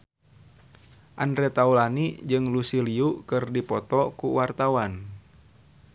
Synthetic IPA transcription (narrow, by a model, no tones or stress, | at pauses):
ʔandɾɛt̪aulanid͡ʒɨŋlusiliukɨrdipɔt̪ɔkuwart̪awan